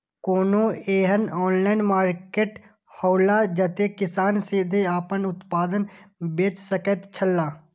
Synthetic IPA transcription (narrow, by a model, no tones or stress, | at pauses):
koːnõeːɦənɔːnlaːɪnmaːɾkeːʈ | hɔːlad͡ʒət̪ekɪsaːnsid̪ʱeaːpənʊt̪paːd̪ənbeːt͡ʃsəkət̪t͡ʃʰəlːaː